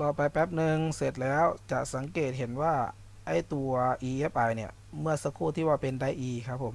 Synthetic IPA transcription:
lɔː˧˩pa˧jpbɛ˦˥p̚nɯ˧ŋse˨˩t̪̚lɛː˦˥˨wt͡ɕa˧˩ʔsa˨˩˦ŋkeː˨˩t̪̚ɦe˨˦nwaː˧˩ | ʔa˧˥˩jt̪u˧˩ɐʔiː˧˩ʔe˦˥pʔa˨˩jni˧˩ɐ | mɯ˥˩ɐsa˧kʰuː˧˩t̪ʰiː˧˩waː˧˩pe˧˨nda˧˩jʔiːiː˧˩kʰa˦˥pʰːo˩˦m

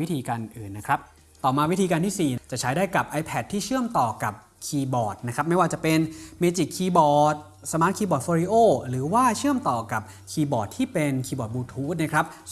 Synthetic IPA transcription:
wt̪ʰiː˧kaː˧nʔɯː˨˩nːa˦˥kʰɾa˦˥p̚ | t̪ɔː˨˩maː˧wi˦˥t̪ʰiː˧ka˧ntʰiː˥˩siː˨˩t͡ɕa˨˩t͡ɕʰa˦jdaː˥˩jka˨˩p̚ʔa˧jpʰɛ˨˩t̪ʰːiː˥˩t͡ɕʰɯ˥˩əmt̪ɔː˨˩ka˨˩p̚ | kʰiː˧bɔː˨˩t̪̚na˦˥kʰɾa˦˥p̚ma˥˩jwaː˥˩t͡ɕa˨˩pe˧nmeː˧t͡ɕi˨˩kʰːiː˧bɔː˨˩t̪̚ | sa˧maː˦˥t̪̚kʰiː˧bɔː˨˩t̪̚fɔː˧ɾiː˧˥ʔoː˥˩ɾɯː˩˦waː˥˩t͡ɕʰɯ˥˩əmt̪ɔː˨˩ka˨˩p̚ | kʰiː˧bɔː˨˩t̪ʰːiː˥˩pe˧nkʰiː˧bɔː˨˩t̪̚buː˧t̪ʰuː˦˥t̪̚na˦˥˩kʰɾa˦˥p̚

